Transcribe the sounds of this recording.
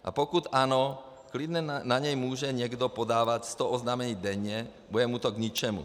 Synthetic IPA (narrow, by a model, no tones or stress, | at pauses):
ʔa̰pɔkut̪anɔ | klid̪nɛnaɲɛjmuːʒɛɲɪɛɡd̪ɔpɔd̪aːʋacst̪ɔʔɔznamɛɲiːd̪ɛɲːɛbujɛmut̪ɔɡɲit͡ʃɛmṵ